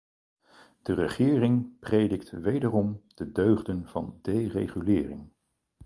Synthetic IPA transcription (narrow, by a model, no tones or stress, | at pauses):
d̥ərəχɪːrɪŋprejdɪktʋejdərɔmd̥ədøɥχdənv̥ɑ̰ndejrejχylɪːrɪŋ